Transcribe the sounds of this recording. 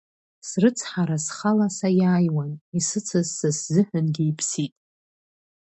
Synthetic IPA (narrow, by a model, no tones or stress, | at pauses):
srɨt͡sʰħaɾasχalasajaːjwanisɨt͡sʰazːɨszɨħʷᶣʊnɡejpʰsitʼ